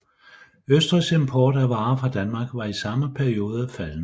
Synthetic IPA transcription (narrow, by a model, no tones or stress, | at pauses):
øsd̥ʁise̝mpʰɒːd̥æʋɑ̈ːfʁɑ̈d̥ænmɑ̈ːɡ̥ʋɑ̈isɑ̈məpʰæɐio̝ːð̞̩ˠæfæln̩